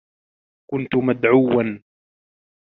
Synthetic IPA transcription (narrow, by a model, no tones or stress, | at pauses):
kʊnt̪ʊmad̪ʕuwːan